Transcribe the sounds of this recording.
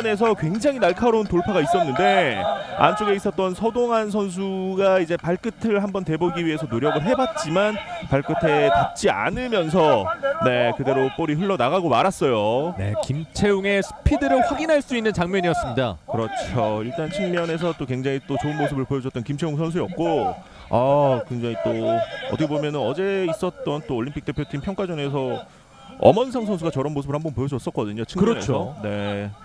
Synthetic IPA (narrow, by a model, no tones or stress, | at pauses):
nes̬ʰʌkwe̞ŋd͡ʑaŋinaɭkʰaɾountoɭpʰaɡais͈ʌnːɯnde̞a̰nt͡ɕ͈ʰoɡe̞is͈ʌt̚t͈ʌnsʰʌdoŋans̬ʰʌns̬ʰuɡaid͡ʑe̞paɭk͈ɯtʰɯɭɦambʌnte̞boɡiɥiɦe̞sʰʌnoɾjʌɡɯɭɦe̞bat̚t͡ɕ͈imanpaɭk͈ɯtʰe̞tap̚t͡ɕ͈ia̰nɯmjʌns̬ʰʌne̞kɯde̞ɾop͈ʌɾiɦɯɭːʌnaɣaɡomaɾas͈ʌjone̞̰kimt͡ɕʰe̞joŋe̞sʰɯ̥pʰidɯɾoɸuɡinɦaɭs͈uinːɯnt͡ɕaŋmjʌɲijʌs͈ɯmɲida̰kɯɾʌt͡ɕʰoiɭt͈ant͡ɕʰiŋmjʌne̞s̬ʰʌt͈okweŋd͡ʑaŋit͈ot͡ɕoɯnmos̬ʰɯbɯɭpojʌd͡ʑʌt͈ʌnkimt͡ɕʰe̞juŋs̬ʰʌns̬ʰuiʌp̚k͈o | akweŋd͡ʑaŋit͈oʌt͈ʰʌkʰebomjʌnɯnʌd͡ʑe̞is͈ʌt̚t͈ʌnt͈oːʎːimpʰik̚t͈e̞pʰjotʰimpʰjʌŋk͈ad͡ʑʌne̞s̬ʰʌ | ʌ̰mʌns̬ʰaŋsʰʌnsʰuɡat͡ɕʌɾʌnmos̬ʰɯbɯɭhambʌnpojʌd͡ʑʌs͈ʌk͈ʌdɯɲot͡ɕʰiŋkɯɾʌnesʰʌne̞